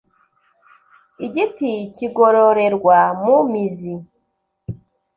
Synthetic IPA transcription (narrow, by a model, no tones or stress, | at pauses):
iɟiticiɡoɾo̞ɾe̞ɾɡwamumizi